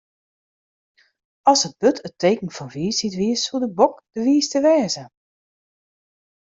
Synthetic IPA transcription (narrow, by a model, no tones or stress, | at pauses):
ɔlˠsət̚b̥øtʰəteːkn̩fɔnʋiːsitʋiəssulˠdəbɔkd̥əʋiːstəʋɛːzə